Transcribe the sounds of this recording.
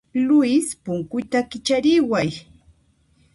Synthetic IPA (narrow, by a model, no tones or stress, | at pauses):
lʊjspʊŋkʊjt̪akɪt͡ʃaɾɪwaj